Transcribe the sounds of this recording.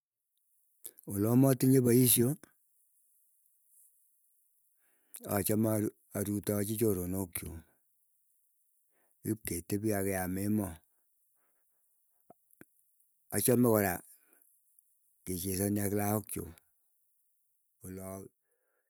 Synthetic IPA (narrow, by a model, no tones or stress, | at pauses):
wolɔmɔtiɲebaisjo | at͡ʃama | aɾutɔt͡ʃit͡ʃoɾonokt͡ʃo̰ | kip̚ketebiakɛjamemɔ | at͡ʃamɛkɔɾa | ket͡ʃesɔnjaklaokt͡ʃo̰ | wolɔ